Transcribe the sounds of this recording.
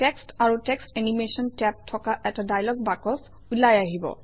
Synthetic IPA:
tɛkstaɹutɛkstenimesɔntɛp̚tʰɔkaʔɛtadajlɔɡ̚bakɔs | ulajaɦibɔ̰

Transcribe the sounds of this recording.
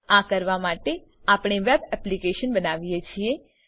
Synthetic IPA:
akəɾʋamaʈe | apɳ̃eʋebɛplikeʃənbənaʋijet͡ʃʰie

